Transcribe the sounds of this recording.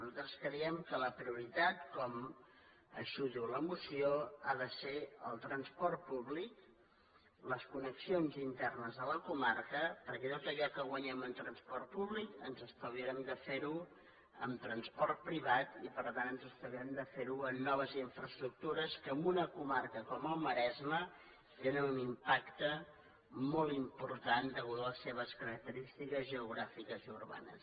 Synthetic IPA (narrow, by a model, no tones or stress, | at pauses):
nuzat̪ɾəskɾəiɛmkələpɾiuɾit̪at̪̚kɔm | ə̰ʃuðuləmusioaðəseəlˠt̪ɾənspɔrt̪̚puβlik | ləskunəksionzint̪ɛrnəzðələkumarkəpəɾkɛt̪ot̪əʎɔkəɣwəɲɛmənt̪ɾənspɔɾrt̪̚puβlikənzəst̪əwβiɾɛmd̪əfeɾu | əmt̪ɾənspɔrt̪̚pɾiβat̪ipəɾt̪anənzəst̪əβiɾɛmd̪əfeɾuənːɔβ̞əziɱfɾəst̪ɾuk̚t̪uɾəskəːmbunəkumarkəkɔməlˠməɾɛzmə | t̪enənunimpakt̪ə | mɔlˠimpuɾt̪and̪əɣuðləseβ̞əskəɾək̚t̪əɾist̪ikəzʒəuɣɾafikəziuɾβa̰nə̰s